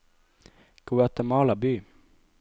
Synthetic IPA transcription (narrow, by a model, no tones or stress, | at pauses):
ɡ̥uːɛt̪əmɑːlabyː